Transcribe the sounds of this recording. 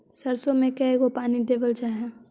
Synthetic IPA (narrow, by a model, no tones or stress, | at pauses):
sɐɾsomẽkɛɦeɡopaːniɖeːʋəld͡ʒaːɦɛ̃